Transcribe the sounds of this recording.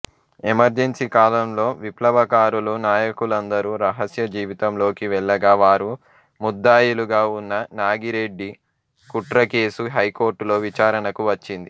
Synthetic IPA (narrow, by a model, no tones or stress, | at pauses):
emɐɾd͡ʒensikaːlɐmlo̞ːʋiplɐʋɐkaːɾulunaːjɐkulɐnd̪ɐɾuɾɐɦɐsjɐd͡ʒiːʋit̪ɐmlo̞ːkiʋɛɭːɐɡaːʋaːɾu | mud̪ːaːjuluɡaːunːɐnaːɡiɾeɖːi | kuʈɾɐke̞ːsuɦɐjko̞ːɾʈulo̞ːʋit͡ʃaːɾɐnɐkuʋɐt͡ʃːind̪i